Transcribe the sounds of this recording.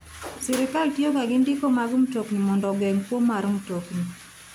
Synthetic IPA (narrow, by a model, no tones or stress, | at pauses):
sɪɾɪkaltjokaɡɪndɪkomaɡʊm̩toknimɔndɔɡɛŋkwomːaɾumtokni